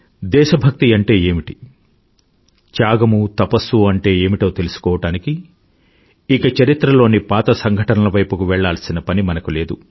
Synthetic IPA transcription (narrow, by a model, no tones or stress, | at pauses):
d̪ɛːʃɐbʱɐk̚t̪iɐɳʈe̞ːeːmiʈi | t͡ʃaːɡɐmut̪ɐpɐsːuɐɳʈe̞ːeːmiʈo̞ːt̪elusu̥kɔːʋɐʈaːniki | ikɐt͡ʃɐɾit̪ɾɐlo̞ːnipaːt̪ɐsɐŋɡʱɐʈɐnɐlɐʋɐjpukuʋɛɭːaːlɐsinɐpɐnimɐnɐkule̞ːd̪u